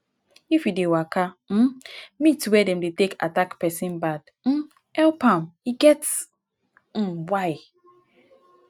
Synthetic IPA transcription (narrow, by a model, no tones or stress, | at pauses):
ifidewakam̩mitwɛdɛ̃mdeteka̰takpɛsĩnbad | m̩ | ɛlpãmiɡɛts | m̩waɪ